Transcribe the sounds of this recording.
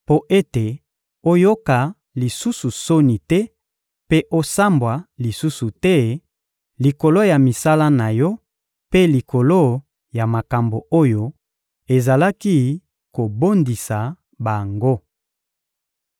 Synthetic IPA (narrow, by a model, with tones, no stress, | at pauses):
po˦ʔe˦te˨ | o˦jo˦ka˨ | li˨su˦su˨so˦ni˨tɛ˦ | pe˦ʔo˦sa˦mbwa˨li˨su˦su˨tɛ˦ | li˨ko˨lo˦ja˨mi˨sa˦la˦na˨jɔ˦ | pe˦li˨ko˨lo˦ | ja˨ma˨ka˨mbo˨ʔo˦jo˨ | e˨za˨la˦ki˦ | ko˨bo˦ndi˨sa˨ | ba˨ŋɡo˦